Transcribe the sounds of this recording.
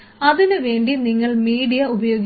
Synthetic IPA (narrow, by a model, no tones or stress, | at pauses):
ɐðinɨʋe̞ːɳɖiniŋːɐɭmiːɽijɐubɐjo̞ːɡ